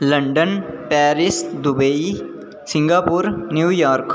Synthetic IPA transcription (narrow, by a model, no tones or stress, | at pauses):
lə̃ɳɖənpɛːɾɪsd̪ʊbei | sɪ̃ŋɡaːpuɾnjuːjaːɾk